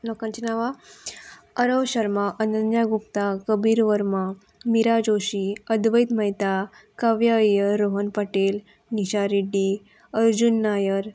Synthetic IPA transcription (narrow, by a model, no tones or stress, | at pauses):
lɔkãnt͡ɕinaʋa | əɾəʋɕəɾmaʔənənjaɡupt̪akəbiːɾʋəɾma | miɾad͡ʑoɕiəd̪ʋəjt̪məjt̪a | kaʋjajəɾːoɦənpəʈel | niɕaɾiɖi | əɾd͡ʑunːajəɾ